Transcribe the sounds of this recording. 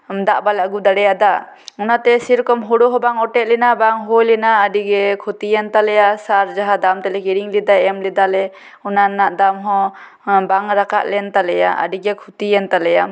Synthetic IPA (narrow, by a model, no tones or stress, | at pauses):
md̪aʔbalɛaɡud̪aɽɛjad̪a | unat̪ɛsiɾkɔmɦɔɽɔɦɔbaŋɔʈɛʔ̪̚lɛnabaŋɦojlɛnaːɖiɡɛkʰut̪ijɛnt̪alɛjasaɾd͡ʒaɦad̪amt̪ɛlɛkiɾiŋlid̪aɛmlɛd̪alɛ | unanaʔd̪amɦɔ̃ | baŋɾaka̰ʔlɛnt̪alɛja̰ʔa̰ɖiɡɛkʰut̪ijɛnt̪alɛja